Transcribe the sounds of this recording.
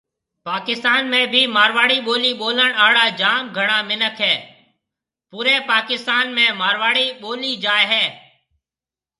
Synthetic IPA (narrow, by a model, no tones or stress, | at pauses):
paːkɪst̪aːnmẽːbʱiːmaːɾʋaːɽiːɓoːliːɓoːləɳaːɽaːd͡ʒaːmɡʱəɳ̃aːmɪnəkʰɦɛː | puːɾeːpaːkɪst̪aːnmẽːmaːɾʋaːɽiːɓoːliːd͡ʒaːeɦɛː